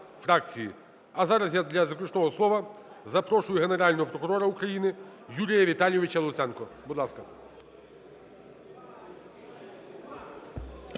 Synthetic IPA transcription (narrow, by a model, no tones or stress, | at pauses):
fɾɑkt͡sʲijḭ | ɐzɑɾɐzjad̪lʲɐzɐklʲˠʊt͡ʃnɔɦɔslˠɔʋɐ | zɐpɾɔʃʊjʊɦeneɾɑlʲnɔɦɔpɾɔkʊɾɔɾɐukɾɐjinɪjuɾʲijɐʋʲit̪ɑlʲjɔʋɪt͡ʃɐlˠʊt̪sɛnkɔbud̪lˠɑskɐ